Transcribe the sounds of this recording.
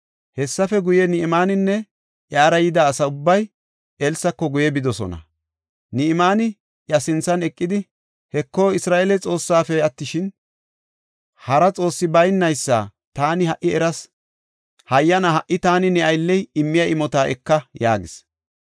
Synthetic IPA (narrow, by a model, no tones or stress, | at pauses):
hɛsːɐfɛɡʊjɛnɪʔɪmaːnɪnːɛ | ʔjaːɾɐjɪd̪aːsɐʊbːɐj | ɛlsɐkːɔɡʊjɛbɪd̪ɔsɔ̰nɐ̰ | nɪʔɪmaːnɪ | ʔjɐsɪnt͡sːɐnɛkʼːɪd̪ɪ | hɛkːo̞ːɪsɾaːʔelɛt͡sʼo̞ːsːaːfɛɐt̪ːɪʃɪn | hɐɾɐt͡sʼo̞ːsːɪbɐjnːɐjsːa̰ː | t̪aːnɪhɐʔːɪɛɾɐs | hɐjːɐnɐɦɐʔɪt̪aːnɪnɛɐjlːɛjɪmːɪjɐʔɪmɔt̪aːʔɛ̰kːɐjaːɡɪs